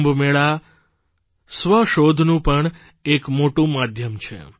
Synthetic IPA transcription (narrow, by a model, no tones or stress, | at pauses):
mbmeɭa | sʋəʃod̪ʱnũpəɳ | ekmoʈũmad̪ʱjəmt͡ʃʰḛ